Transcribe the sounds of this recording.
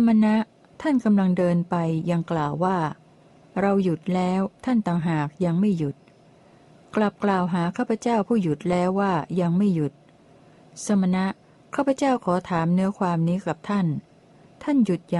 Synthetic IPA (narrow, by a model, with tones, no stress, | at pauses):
sa˧ma˧na˦˥ʔ | t̪ʰa˥˩nka˧mla˧ŋdɤː˧npa˧jːa˧ŋklaː˨˩wːaː˥˩ | ɾa˧wju˨˩t̪̚lɛː˦˥wt̪ʰa˥˩nt̪aː˨˩ŋɦaː˨˩k̚ja˧ŋma˥˩jːu˨˩t̪̚ | kla˨˩p̚klaː˨˩wɦaː˩˦kʰaː˥˩pʰa˧t͡ɕaː˥˩wpʰuː˥˩ju˨˩t̪̚lɛː˦˥wːaː˥˩ja˧ŋma˥˩ju˨˩t̪̚ | sa˧ma˧na˦˥ʔ | kʰaː˥˩pʰa˧˦t͡ɕaː˥˩wkʰɔː˩˦t̪ʰaː˩˦mnɯ˦˥ɐkʰwaː˧mniː˦˥ka˨˩p̚t̪ʰa˥˩n | t̪ʰa˥˩nju˨˩t̪̚ja˨˩